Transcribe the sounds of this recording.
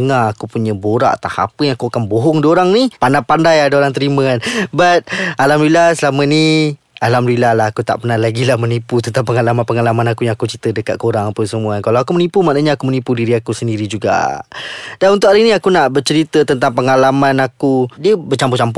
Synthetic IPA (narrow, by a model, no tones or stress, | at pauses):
ŋaakupuɲəboɾa̰ʔat̪aha̰pəjaŋakuakanboɦɔŋdioɾaŋnipandapandajadaoɾaŋt̪əɾimə̃anbat̪̚alamɾuilasəlamə̃ni | alamɾuilahlahakut̪a̰ʔpərnahlaɡilahməniput̪ənt̪aŋpəŋalamanpəŋalamanakujaŋakut͡ʃɾit̪ədəka̰t̪̚koɾaŋapəsəmuakalawakumənipumaʔnaɲaakumənipudiɾiakusəndiɾid͡ʒuɡa̰ | d̥anunt̪ʊʔaɾinĩakunaʔbət͡ʃəɾit̪ət̪ənt̪aŋpəŋalamanakudiəbət͡ʃamput͡ʃampu